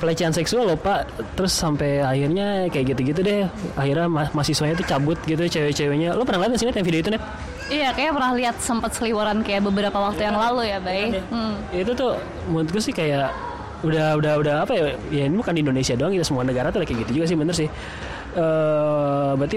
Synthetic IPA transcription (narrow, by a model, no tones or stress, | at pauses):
pəlat͡ʃaansɛksualːopaʔt̪əɾʊsːampejahirɲakajaʔɡit̪uɡit̪̬udɛhahirɲamamasihsuaɲat̪̬ut͡ʃabʊt̪̚ɡit̪ut͡ʃewɛt͡ʃɛwɛɲalopənaŋliat̪̚ɡəs̬inɛt̪jaŋfidioit̪̬unɛt̪̚ | ijakajapərnahliɦat̪̚səmpət̪̚səliwoɾankajaʔbəbəɾapawak̚t̪ujaŋlalujabaim̩ | it̪ut̪ʊ | mut̪̚ɡʊsɪhkajaʔ | udahudahudaapajajainibukandindonesiadoaŋkit̪asəmuanəɡaɾat̪udahkajɡit̪ud͡ʒuɡas̬ɪhbənt̪əɾsɪh | əː | bɾat̪i